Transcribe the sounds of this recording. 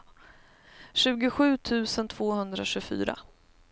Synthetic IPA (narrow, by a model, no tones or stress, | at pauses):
ɕʉ̟ːɡʊɧʉ̟ːt̪ʰʉ̟ːsənt̪ʰv̥oːhɵnd̪ɾaɕɵfy̰ːɾa̰